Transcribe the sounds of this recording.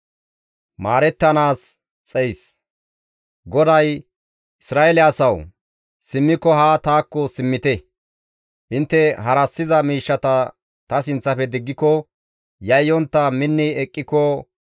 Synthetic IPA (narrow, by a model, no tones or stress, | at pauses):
maːɾɛt̪ːɐnaːs | t͡sʼɛjs | ɡɔd̪ɐj | ʔɪsɾaːɛlɪɐsɐw | sɪmːɪkːɔɦaːt̪aːkːɔsɪmːɪt̪ɛ | ʔɪnt̪ːɛɦɐɾɐsːɪzɐmiːʃːɐt̪ɐ | t̪ɐs̬ɪnt͡sːɐfɛd̪ɪɡːɪkɔ | jɐjːɔnt̪ːɐmɪnːɪɛkʼːɪkɔ